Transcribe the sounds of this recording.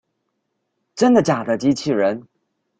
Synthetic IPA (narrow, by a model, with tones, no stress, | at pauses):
ʈ͡ʂə˥nd̪ə˨t͡ɕja˨˩d̪ə˦t͡ɕi˧˥t͡ɕʰi˥˩ɻə˧˥n